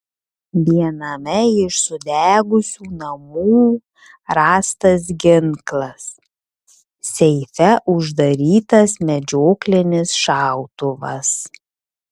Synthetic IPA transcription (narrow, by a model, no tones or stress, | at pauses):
ʋʲiɛnɐmʲɛɪʃsʊd̪ʲæːɡʊsʲuːnɐmuː | ɾɑːst̪ɐs̬ɡʲɪŋklˠɐs | sʲɛɪfʲɛʔʊʒd̪ɐɾʲiːt̪ɐsmʲɛd͡ʒʲoːklʲɪnʲɪsʃɑˑʊt̪ʊʋɐ̰s